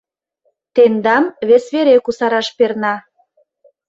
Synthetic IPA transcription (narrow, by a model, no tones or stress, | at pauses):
t̪end̪ɑmβesβeɾekusɑɾɑʃpernɑ